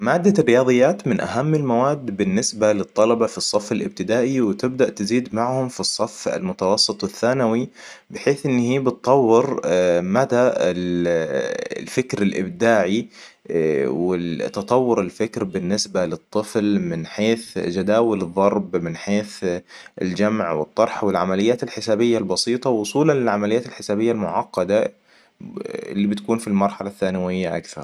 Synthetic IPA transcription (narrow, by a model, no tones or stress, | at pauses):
maːd̪ːarːɪjɑːðˤɨjːaːt̪mɪnʔa̰ɦamːɪlmawaːd̪ːbɪnːɪsbalɨt̪ˤːɑlɑbɑfisˤːɑfːalʔɪb̚t̪ɪd̪aːʔiwɪt̪ɪbd̪aʔt̪ɪziːd̪maʕhʊmfisˤːɑfːa̰lmʊt̪ɑwɑsˤːɨt̪ˤɪθːaːnawibɪħeːθʔɪnːhiːbɨt̪ˤːɑwːɪɾmad̪aɪl̰ | lfɪkɾɪlʔɪ̰bd̪aːʕi | wɪt̪ːɑt̪ˤɑwːʊɾɪlfɪkɾbɪnːɪsbalɨt̪ˤːɨflmɪnħeːθd͡ʒad̪aːwɪlɨðˤːɑɾˤbmɪnħeːθɪ̰ld͡ʒamʕwɪ̰t̪ˤːɑɾˤħwɪlʕamalɪjːaːt̪ɪlħɪsaːbɪjːalbɑsiːt̪ˤɑwʊsˤuːlanlɪlʕamalɪjːaːt̪ɪlħɪsaːbɪjːalmʊʕɑqːɑd̪a | ɪ̰lːibɪt̪akuːnfilmɑɾˤħalaθːaːnɪwɪjːaʔakθɑ̰ɾˤ